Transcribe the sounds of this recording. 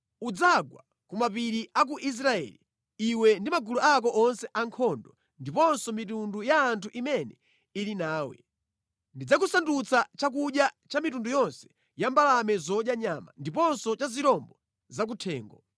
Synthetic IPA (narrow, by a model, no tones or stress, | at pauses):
ud͡zaɡwa̰ | kumapiɾiʔak̬uʔis̬ɾaɛ̰lḭ | iwɛndimaɡuluak̬ɔʔɔnsɛʔaŋkʰɔndɔ | ndipɔnsɔmit̬undujaːntʰuʔimɛnɛ | ilinaːwɛ̰ | ndid͡zak̬usandut͡sʰat͡ʃak̬uɗjat͡ʃamitundujɔnsɛ̥ | jambalamɛzɔʄjaɲama̰ndip̬ɔnsɔt͡ʃaziɾɔmbɔ | zak̬utʰɛːŋɡɔ̰